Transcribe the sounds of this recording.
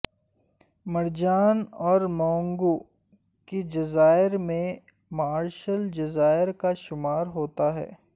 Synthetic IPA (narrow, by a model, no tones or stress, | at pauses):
mɐɾd͡ʒaːnɔːɾmɔ̃ːŋɡo | kid͡ʒɐzaːɪɾmẽ | maːɾʃəld͡ʒɐzaːɪɾkaʃʊmaːɾɦoːt̪aɦɛ̰ː